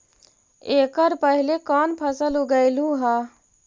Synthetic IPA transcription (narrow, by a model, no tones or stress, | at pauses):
eːkəɾpəɦilekɔnpʰəsəluɡəɪlũɦa